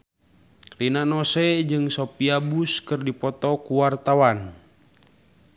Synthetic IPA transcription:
rinanɔsɛd͡ʒɨŋsopiabuskɨrdipɔt̪ɔkuwart̪awan

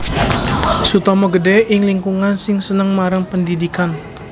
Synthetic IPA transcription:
sut̪ɔmɔɡədɛɪŋliŋkuŋansɪŋsənəŋmaɾəŋpəndidikan

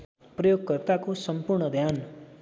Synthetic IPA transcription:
prʌjoɡ̚kʌrt̪akosʌmpurɳʌd̪ʱjan

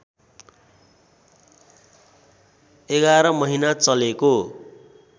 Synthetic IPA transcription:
eɡaɾʌmʌɦinat͡sʌleko

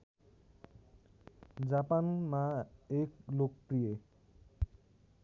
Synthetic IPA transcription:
d͡ʑapanmaeklok̚pɾije

